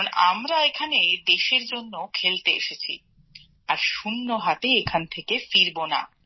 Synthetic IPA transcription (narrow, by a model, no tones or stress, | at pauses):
ona̰mɾaekʰaned̪eʃeɾd͡ʑonːokʰelt̪eḛʃet͡ɕʰḭ | aɾʃunːoɦat̪eekʰant̪ʰekefiɾbona̰